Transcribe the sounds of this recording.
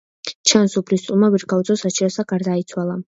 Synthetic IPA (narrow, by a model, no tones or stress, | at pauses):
t͡ʃʰansupʰlist̪ʼumaviɾɡaut̪sʼɔsat͡ʃʰiɾɔsaɡaɾd̪ait̪sʰwalˠa